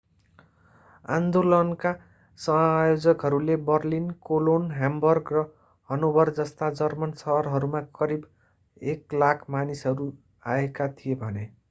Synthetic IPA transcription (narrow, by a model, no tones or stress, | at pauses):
ã̰nd̪olʌnka | sʌjod͡zʌkɦʌɾulebʌrlinkolonɦambʌrɡrʌ | hʌnobʱʌrd͡zʌst̪ad͡zʌrmʌnsʌɦʌrɦʌɾumakʌɾib | eklakʰmanisɦʌɾu | aekat̪ʰijebʱʌne